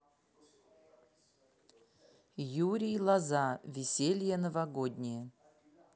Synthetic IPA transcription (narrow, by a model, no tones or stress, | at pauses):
juɾʲijlˠɐzavʲɪsʲelʲjənəvɐɡod̪ʲnʲɪjə